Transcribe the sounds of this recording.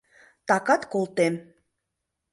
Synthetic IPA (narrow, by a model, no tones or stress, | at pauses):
t̪ɑkɑt̪kolˠt̪em